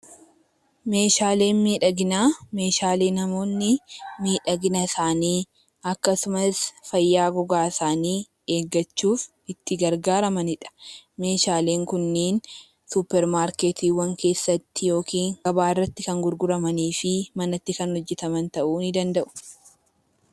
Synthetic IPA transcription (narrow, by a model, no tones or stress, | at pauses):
me̞ːʃaːle̞ːnmiːᶑɐɡɪnaːme̞ːʃaːleːnɐmo̞ːnːɪmiːᶑɐɡɪnɐsaːniː | ɐkːɐsʊmɐsfɐjːaːɡɔɡaːsaːniː | e̞ːɡːɐt͡ʃːuːf | ɪt̪ːɪɡɐɾɡaːɾɐmɐnɪᶑɐ̥me̞ːʃaːle̞ːŋkʊnːeːn | sʊpːɛɾmaːɾkeːt̪iːwɐŋke̞ːsːɐt̪ːɪjo̞ːkiːŋɐbaːɪrːɐt̪ːɪkɐŋɡʊɾɡʊɾɐmɐniːfɪmɐnɐt̪ːɪkɐnhɔd͡ʒːɛt̪ɐmɐnt̪ɐʔuːnɪd̪ɐnd̪ɐʔʊ̥